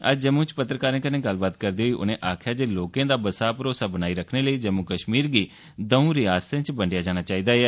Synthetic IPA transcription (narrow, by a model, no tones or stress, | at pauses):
ə̰d͡ʒd͡ʒəmũːt͡ʃpət̪ɾəkaːɾẽːkənẽːɡəlːbaːt̪kəɾd̪iːɦoːiːʔʊ̰nẽːʔaːkʰjaːd͡ʒeːloːkẽːd̪aːbəsaːpɾoːsaːbənaːiːɾəkʰneːləiːd͡ʒəmukəʃmiːɾɡiː | d̪əũːɾɪaːst̪ẽːt͡ʃbəɳɖɪjaːd͡ʒaːɽ̃aːt͡ʃaːiːd̪aːɛː